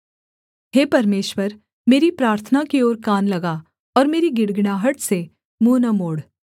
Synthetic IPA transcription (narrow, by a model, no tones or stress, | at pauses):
ɦeːpɐɾmeːʃwəɾ | meːɾipɾaːɾt̪ʰənakioːɾkaːnlɐɡa | ɔːɾmeːɾiɡɪɽɡɽ̃aːɦəʈse | muːnəmoːɽ